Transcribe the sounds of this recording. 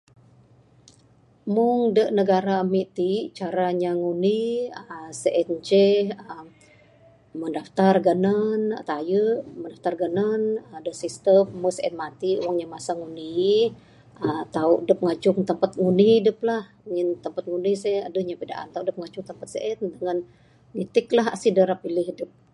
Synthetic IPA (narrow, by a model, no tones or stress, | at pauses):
muŋdəʔnəɡaɾamiʔt̪iʔt͡ʃaɾaɲaŋuniəseʔɛnt͡ʃɛəm | məndaft̪arɡənənt̪ajəʔməndaft̪arɡənənədəsist̪əmːəsəʔɛt̪̚mat̪iuwaŋɲamasaŋuni | ət̪audəp̚ŋat͡ʃʊŋt̪əmpat̪̚ŋuniɦidəp̚lah | ɲint̪əmpat̪̚ŋunisɛa̰dəhɲapida̰ʔa̰nt̪audəp̚ŋat͡ʃʊŋt̪əmpat̪səʔɛt̪dəŋan | ŋit̪ɪklaɦasidəɾapilɪɦidəp̚